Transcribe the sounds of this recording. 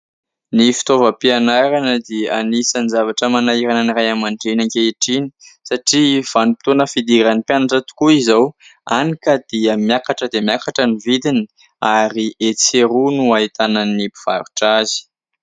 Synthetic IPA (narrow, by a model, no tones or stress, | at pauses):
nifi̥t̪ovəpianaɾanəd̪eanisanizavaʈ͡ʂəmanaiɾanənirajamaɳɖ͡ʐenaŋkeiʈ͡ʂini̥saʈ͡ʂiv̥anupi̥t̪onəfid̪iɾanipjanaʈ͡ʂət̪u̥kuizawanikəd̪̥iəmjakaʈ͡ʂəd̪emjakaʈ͡ʂənivid̪ini | aɾiʔet͡seɾunuaɦit̪ananibiv̥a̰ɾuʈ͡ʂazi̥